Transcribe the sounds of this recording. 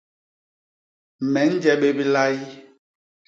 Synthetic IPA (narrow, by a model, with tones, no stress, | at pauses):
mɛ˨˦n̩˦d͡ʒɛ˦ɓe˦bi˦la˦i˦